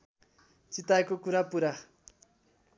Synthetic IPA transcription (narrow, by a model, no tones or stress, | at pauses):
t͡sit̪ajkokuɾapuɾa